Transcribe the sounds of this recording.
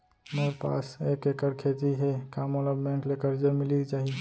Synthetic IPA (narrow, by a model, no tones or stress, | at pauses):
meɾpa̰ːseːkekəɾkʰet̪iɦɛkamoləbːɛ̃ŋklekəɾd͡ʒəɾmɪlikt͡ʃaːɦi